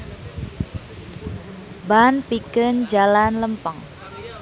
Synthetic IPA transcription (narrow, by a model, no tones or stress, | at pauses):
banpikənd͡ʒalanləmpəŋ